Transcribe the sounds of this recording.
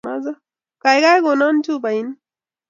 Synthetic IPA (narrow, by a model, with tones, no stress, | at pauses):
a˦za˦ | ka˨jɡa˦jɡo˨na˦n˦tu˦ba˨i˦n